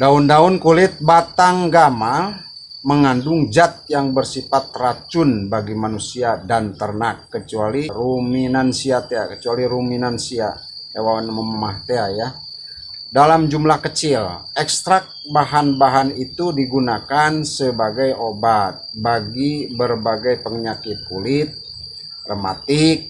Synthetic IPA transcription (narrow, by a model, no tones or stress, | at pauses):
daʊndaʊnkulɪt̪̚bat̪aŋɡama | məŋandʊŋd͡ʒat̪̚jaŋbərsifat̪̚rat͡ʃʊnbaɡimanusiadant̪ərnakːət͡ʃualiruminansiat̪ea̰kət͡ʃualiruminansia̰ | ewawanməməmaht̪eaja | dalamd͡ʒumlahkət͡ʃɪl | ɛkst̪ɾak̚baɦanbaɦanit̪udiɡunakansəbaɡajobat̪̚baɡibərbaɡajpəŋɲakɪt̪̚kulɪt̪̚ | rəma̰t̪ɪk̚